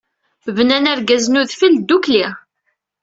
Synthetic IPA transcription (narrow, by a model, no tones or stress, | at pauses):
vənænæɾɡæznuðfild̪ukliʁ